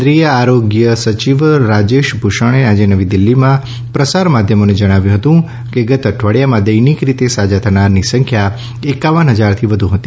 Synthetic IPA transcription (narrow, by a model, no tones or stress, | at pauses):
d̪ɾijəaɾoɡjəsət͡ʃiʋɾad͡ʒeʃbʱuʃəɳ̃ead͡ʒenəʋid̪ilːimã | pɾəsaɾmad̪ʱjəmoned͡ʒəɽ̃aʋjũɦət̪ũ | keɡət̪əʈʰʋəɽjamãd̪əjnikɾit̪esad͡ʒat̪ʰənaɾnisə̃ŋkʰja | ekaʋənɦəd͡ʒaɾt̪ʰiʋəd̪ʱũɦət̪i